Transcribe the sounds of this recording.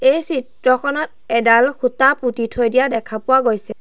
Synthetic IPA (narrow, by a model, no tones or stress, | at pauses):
ejsitɹɔkʰɔnɔt | ɛdalkʰutaputitʰojdijadɛkʰapʊwaɡojsɛ